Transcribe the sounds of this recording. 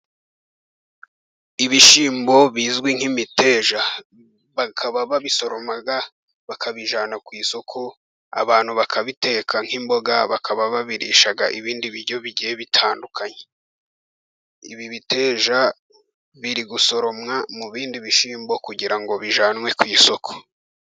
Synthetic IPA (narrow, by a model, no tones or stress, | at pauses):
iβiʃiːmbo̞βiːzɡwiŋ̥himite̞ːʒa | βakʰaβaβaβiso̞ɾo̞maɡa | βakʰaβiʒaːnakwiːsokʰo | a̰βaːn̥huβakʰaβite̞ːkʰaŋ̥himbo̞ɡaβakʰaβaβaβiɾḭːʃaɡaʔiβiːndiβiɾɟo̞βiɾɟieβitʰaːndukʰaɲe | ḭβiβite̞ːʒa | βiɾiɡuso̞ɾo̞mŋamuβiːndiβiʃiːmbo̞kuɟiɾaŋɡo̞βiʒaːnwe̞kwiːso̞kʰo̥